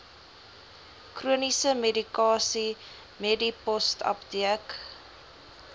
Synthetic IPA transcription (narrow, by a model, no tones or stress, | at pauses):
kruənisəmedikɑːsi | medipɔstʰɐ̰ptiək